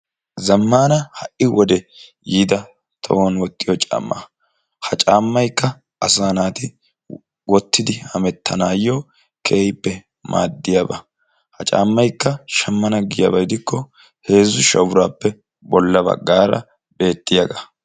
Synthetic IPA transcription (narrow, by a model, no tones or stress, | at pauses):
zɐmːaːnɐhɐʔɪwɔd̪ɛjiːd̪ɐ | t̪ʰɐ̰wonwɔt̪ʼːɪjɔt͡ʃʼa̰ːmːa̰ | hɐt͡ʃʼaːmːɐjkːɐ | ɐsaːnaːt̪ɪ | wɔt̪ːɪd̪ɪhɐmɛt̪ʰːɐnaːjːoː | kʰe̞ːjɪpːɛ | ma̰ːd̪ːɪjabɐ̰ | hɐt͡ʃʼa̰ːmːɐjkːɐʃɐmːɐnɐɡɪjɐ̰bɐjd̪ɪkːɔ | he̞ːzːʊʃɐ̰wɾaːpːɛ | bɔlːɐbɐ̰ɡːaːɾɐ̰ | be̞ːt̪ːɪjaɡɐ